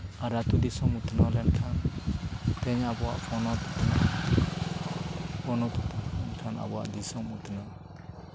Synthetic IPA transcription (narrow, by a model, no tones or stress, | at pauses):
aɾat̪ud̪isɔmut̪nɔlɛnkʰan | t̪ɛɲabɔwa̰ʔpʰɔnɔt̪u̥t̪na | pʰɔnɔt̪ut̪nɛnkʰana̰bɔa̰ʔd̪isɔmut̪na